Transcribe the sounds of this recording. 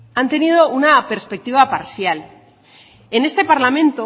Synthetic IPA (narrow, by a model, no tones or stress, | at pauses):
ant̪e̞nið̞o̞unape̞ɾspe̞k̚t̪iβ̞apaɾsjal | e̞ne̞st̪e̞paɾlamẽ̞nt̪o